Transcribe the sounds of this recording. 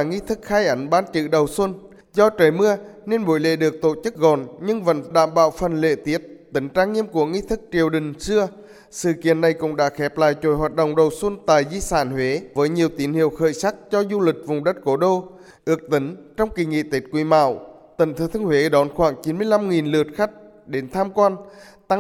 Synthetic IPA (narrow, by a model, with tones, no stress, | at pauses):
ŋi˧t̪ʰɨ˦˥k̚xaː˧jʔə˨˦ŋɓaː˧nt͡ɕɨ̰˧˨ɗə˨˩wswə˧n | zɔ˧t͡ɕəː˨˩jmɨ˧əne˧nɓo˧˩˦jlḛ˧˨ɗɨ˨˩ək̚t̪o̰˧˨t͡ɕɨ˦˥k̚ɣɔ˨˩nɲɨ˧ŋvə̰˧˥nɗa̰ː˧˨mɓa̰ː˧˨wfə˨˩nlḛ˧˨t̪i˨˦˥ət̚t̪ï˨˦ŋ̟t͡ɕaː˧ŋŋi˧əmku˧˩əŋi˧t̪ʰɨ˦˥k̚t͡ɕi˨˩əwɗï˨˩ŋ̟sɨ˧ə | sɨ̰˧˨kḭ˧˨ənːa˨˩jkʊ̰˧˥ŋ͡mɗa̰ː˧˥xɛ˨˦˥p̚la̰ː˧˨jt͡ɕo˧˨˦jhwaː˨˩t̚ɗo̰˧˨wŋ͡mɗə˨˩wswə˧nt̪a̰ː˧˨jzi˧saː˧˩nhwe˨˦vəː˨˦jɲi˨˩əwt̪i˨˦nhḭ˧˨əwxə̰ː˧˨jsa˦˥k̚t͡ɕɔ˧zu˧lï˨˩k̚vʊ˨˩ŋ͡mɗə˦˥t̚ko˨˦ɗo˧ | ʔɨ˨˦˥ək̚t̪ï˨˦ŋ̟t͡ɕɔ˧wŋ͡mki˨˩ŋḭ˧˨t̪i˦˥t̚kwi˨˦ma̰ː˧˨wt̪ə˧˩nt̪ʰɨ˨˧˩t̪ʰɨ˧ŋhwe˨˦ɗɔ˨˦nxwaː˧˩ŋt͡ɕi˨˦nmɨ˧əjla˧mŋi˨˩nlɨ˨˩ət̚xa˦˥jk̚ | ɗe˨˦nt̪ʰaː˧mkwaː˧nt̪a˧